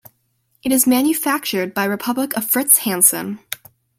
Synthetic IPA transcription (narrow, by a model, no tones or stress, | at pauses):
ʔɨɾɨzmæ̃njɨfæk̚t͡ʃə˞d̚baɪɹɨpʰʌbləkʌv̥fɹɪtshæ̃nsɨ̰̃n